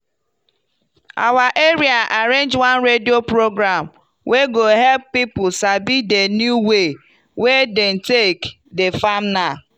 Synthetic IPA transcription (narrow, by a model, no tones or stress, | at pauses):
a̰waʔeɾiaʔaɾend͡ʒwãnɾediopɾoɡɾam | weɡoɦɛlppipʊsabidenjuwe | weden̩tek | defam̩na